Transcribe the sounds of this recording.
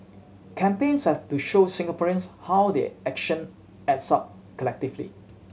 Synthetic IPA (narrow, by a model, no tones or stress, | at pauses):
kʰɛ̃mpẽnshɛftuʃosɪ̃ŋɡapɔɹiə̃nshawdḛʔɛkʃə̃n | ɛtsap̚ | kəlɛk̚tiflḭ